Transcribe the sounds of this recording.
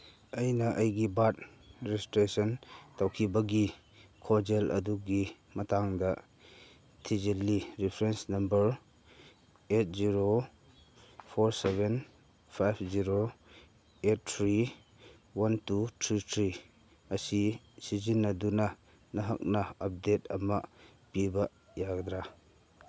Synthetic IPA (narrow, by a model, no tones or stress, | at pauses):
ɐjnɐʔɐjɡibat̚ | ɾestɾesɔntawkʰibɐɡi | kʰod͡ʒelʔɐ̰duɡi | mɐtaŋdɐ | tʰizilːiɾipʰɾensnɐmbɐɾ | et̚ziɾo | pʰoɾseben | pʰajpʰziɾo | et̚tʰɾi | wantutʰɾitʰɾi | ɐsi | sizinːɐdunɐ | nɐɦɐk̚nɐɐp̚detɐmɐ | pibɐ | jaɡd̪ɾa